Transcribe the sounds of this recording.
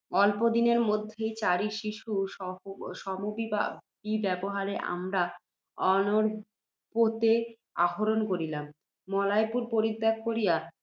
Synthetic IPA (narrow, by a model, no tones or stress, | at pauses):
ɔlpod̪ineɾmod̪ʱːejt͡ɕaɾiʃiʃuɔʃɔmobia̰b̥ibɛboɦaɾeʔa̰mɾa | ɔnoɾ | pot̪e | a̰ɦoɾonkoɾilamː | ɔlajpuɾpoɾid̪ːak̚koɾija